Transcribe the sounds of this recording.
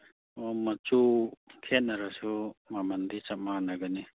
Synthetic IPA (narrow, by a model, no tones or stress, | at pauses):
ɔmat͡ʃukʰɛnaɾasumamand̪it͡ʃamːanaɡani